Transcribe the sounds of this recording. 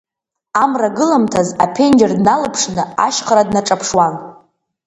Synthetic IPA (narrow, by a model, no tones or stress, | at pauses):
amraɡɨlamtʰazapʰe̞nd͡ʒardnalɨpʰʂnɨa̰ʃχaɾadnaʈ͡ʂʼapʰʂwan